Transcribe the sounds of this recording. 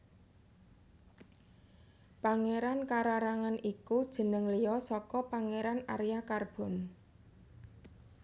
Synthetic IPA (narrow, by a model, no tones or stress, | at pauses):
paŋeɾankaɾaɾaŋanikud̥ʒ̥ə̤nəŋlijɔsɔkɔpaŋeɾana̰ɾjakarb̥ɔ̤n